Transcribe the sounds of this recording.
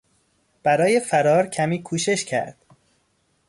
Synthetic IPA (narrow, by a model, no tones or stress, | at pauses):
b̥æɾɒːje̞fæɾɒːɾcʰæmiːkʰuːʃe̞ʃcʰæ̰ɾd̪̥